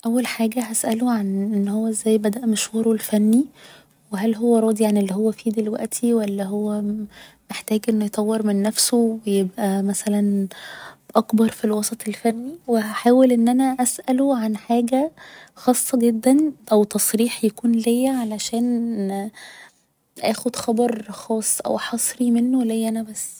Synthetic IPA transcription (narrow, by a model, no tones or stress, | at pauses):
ʔæwːælħaːɡæɦæsʔæloʕanʔenːhowːæʔzːæːjːbæd̪æʔmeʃwɑɾˤolfænːi | weɦælɦowːæɾˤɑːd̪iʕanelːiɦowːæfiːd̪elwæ̰ʔt̪ʰiwælːæɦowːæmeħt̪æːɡʔenːojet̪ˤɑwːeɾmenːæfsowejebʔæmæsælæn | ʔɑkbɑɾˤfilwɑsˤɑt̪ˤelfænːiwehæħaːwelʔenːʔænæʔæsʔæloʕanħaːɡæxɑːsˤːɑɡed̪ːænʔæwt̪ɑsˤɾiːħjækuːnlejːæʕalæʃæːn | ʔæːxod̪xɑbɑɾˤxɑːsˤːʔæ̰wħɑsˤɾimenːolːejːʔænæbæsː